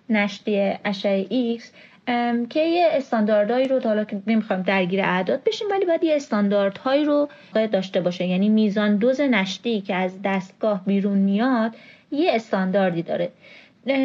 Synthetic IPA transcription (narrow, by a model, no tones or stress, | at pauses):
næʃt̪iːeʔæʃæeʔiks | cʰe̞jeːst̪ɒːnd̪ɒːɾd̪ɒːiːɾohɒːlɒːkene̞mixɒːjmd̪æɾɡiːɾeʔæd̪ɒːd̪̥̚be̞ʃiːmvælibɒːjæd̪jeest̪ɒnd̪ɒɾd̪̥hɒːiːɾo | jæd̪ːɒːʃt̪e̞bɒːʃejæniːmiːzɒːnd̪oze̞næʃt̪iːcʰeæzd̪æst̪̚ɡ̥ɒːhbiːɾunmijɒd̪̥jeːst̪ɒnd̪ɒːɾd̪iːd̪ɒ̰ːɾe